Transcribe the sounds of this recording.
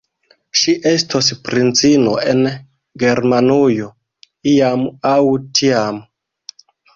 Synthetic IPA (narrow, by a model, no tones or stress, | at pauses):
ʃiʔestospɾint͡sinoʔen | ɡeɾmanujo | iamawtʰiam